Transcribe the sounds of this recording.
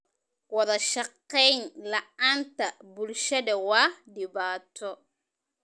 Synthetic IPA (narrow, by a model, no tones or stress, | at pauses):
wɐðɐʃɑqːɛjnlɐaːnt̪ɐbʊlʃɐðɐwɑːhdɪbaːt̪ʰːɔ